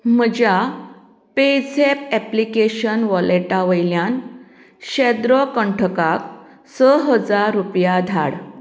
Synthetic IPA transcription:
m̤əd͡ʑja | ped͡zepɛplikeɕənʋɔleʈaʋəjljan | ɕɛd̪ɾɔkəɳʈʰəkak | səɦəd͡zaɾːupjad̪ʱa̰ɽ

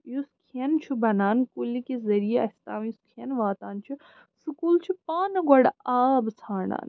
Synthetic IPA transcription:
juskʰiɐnt͡ʃʰubɐnaːnkulikezɐɾijeɐsʲt̪aːmjuskʰiɐnʋaːt̪aːnt͡ʃʰi | sukuːlt͡ʃʰipaːnɐɡɐɽaːbt͡sʰaːɳa̰ːn

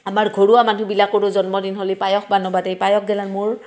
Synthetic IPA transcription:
amaɹɡʱoɹuamanubilakːoɹʊzɔnmɔdinɦolipajɔxʰbanɔbatejpajɔk̚ʰɡɛlanmʊɹ

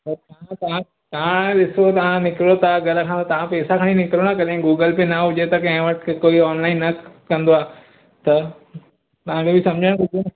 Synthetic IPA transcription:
pɐt̪ɐãt̪ɐã | t̪ɐʋ̤ãɗɪsot̪ɐʋ̤ãnɪkɾot̪ãɡɐləkʰãt̪ɐʋ̤ãpeːsakʰaɽ̃inɪkɾonɐkɐɗẽɡuːɡəlpenɐɦʊd͡ʑet̪ɐkɐ̃ɦɪ̃ʋɐʈʰkkoːiɔːnlaːɪnːɐkɐ̃nd̪oaː | t̪ɐ | t̪ɐʋ̤ãkʰebʱɪsɐ̃md͡ʑʱəɽ̃kʊd͡ʒʱ

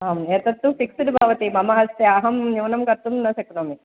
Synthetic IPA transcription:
aːmet̪ɐt̪ːupiksiʈibʱɐʋɐt̪imɐmɐɦɐst̪eɐɦɐmnuʋɐnɐmkɐɾt̪ːunnɐsekɐnoːmi

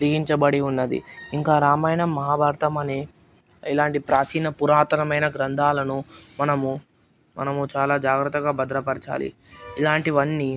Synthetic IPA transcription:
ɾiɡiɲt͡ʃɐbɐɽiunːɐd̪ḭiŋkaːɾaːmaːjɐnɐmːɐɦaːbʱaːɾɐt̪ɐmɐni | ilaːɳʈipɾaːt͡ʃiːnɐpuɾaːt̪ɐɾɐmɐjnɐɡɾɐnd̪ʱaːlɐnumɐnɐmu | mɐ̰nɐmut͡ʃaːlaːd͡ʒaːɡɾɐt̪ːɐɡaːbɐd̪ɾɐpɐɾt͡ʃa̰ːlḭ | ilaːɳʈiʋɐnːi

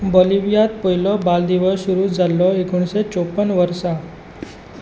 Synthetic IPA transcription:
boliʋijat̪̚poilɔbald̪iʋəssuɾuːd͡zʱalːɔekuɳset͡sopːəɳʋəɾsa

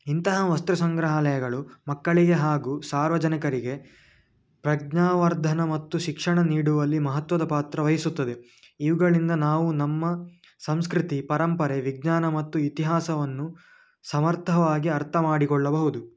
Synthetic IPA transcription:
int̪ɐɦɐʋɐst̪ɾɐsɐŋɡɾɐɦɐlɐjɐɡɐɭumɐkːɐɭiɡe̞ɦaːɡuːsaːɾʋɐd͡ʒɐnɐkɐɾiɡe̞ | pɾɐɡɲaːʋɐɾd̪ʱɐnɐmɐt̪ːuʃikʂɐɳɐniːɽuʋɐlːimɐɦɐt̪ʋɐd̪ɐpaːt̪ɾɐʋɐjɐsut̪ːɐd̪e̞ | iʋuɡɐɭind̪ɐnaːʋunɐmːɐ | sɐmskɾit̪ipɐɾɐmpɐɾeʋiɡɲaːnɐmɐt̪ːuit̪iɦaːsɐʋɐnːu | sɐmɐɾt̪ʰɐʋaːɡiɐɾt̪ʰɐmaːɽikɔɭːɐbɐɦud̪u

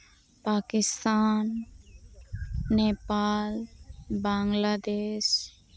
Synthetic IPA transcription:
paːkɪst̪aːn | epalbaŋlaːd̪eːʃ

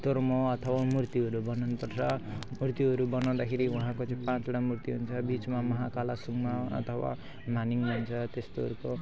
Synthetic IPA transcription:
t̪oɾmoʌt̪ʰʌwamurt̪iɦʌɾubʌnanupʌrt͡sʰʌmurt̪iʌɾubʌnaw̃d̪akʰeɾiuɦãkot͡sãĩpãt͡sʌɽamurt̪iɦunt͡sʰʌbit͡smamʌɦakalasuŋmaʌ̰t̪ʰʌwa̰ | maniŋmaɦnt͡sʰʌt̪est̪oɦʌ̰ɾuko

